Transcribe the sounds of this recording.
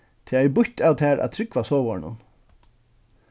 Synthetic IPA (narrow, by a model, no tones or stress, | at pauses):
t̪ʰɪaɛbʊht̪aːwt̪ʰɛːɾʔa̰ðt̪ʰɾɪkvasɔːvɔɹɳʊ̰n